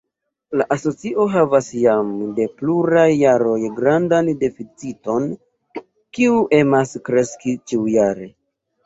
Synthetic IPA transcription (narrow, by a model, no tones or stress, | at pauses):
laʔaso̞t͡siʔo̞ɦavasjamde̞pluɾajːaɾo̞jɡɾandande̞fit͡sito̞n | kiuʔe̞maskɾe̞skit͡ʃiujaɾe̞